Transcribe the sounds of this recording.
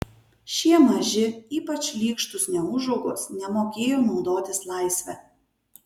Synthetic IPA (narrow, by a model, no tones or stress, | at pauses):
ʃʲiɛmɐʒʲɪiːpɐt͡ʃʲlʲiːkʃt̪ʊsnʲɛʊʒɔʊɡoːsnʲɛmoːkʲeːjoːnɒʊd̪oːt̪ʲɪslˠɑˑɪsʲʋʲɛː